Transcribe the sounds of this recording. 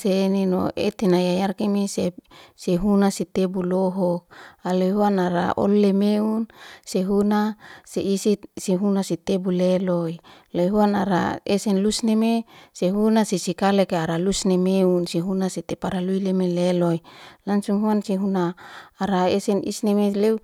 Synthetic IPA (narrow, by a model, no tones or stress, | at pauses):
senino̰ḛt̪enajajarkemeseseɦunasit̪ebuloɦɔk̚alojɦuanaɾa̰ʔo̰lːemeunseɦunaseisiseɦunasit̪ebuleloilojɦuanaɾa̰esɛnlusnemeseɦunasisikalekeaɾalusnemeunseɦunaset̪epaɾaluilemelelojlaŋsuŋɦuanseɦunaːɾaesɛnḭsnemeleu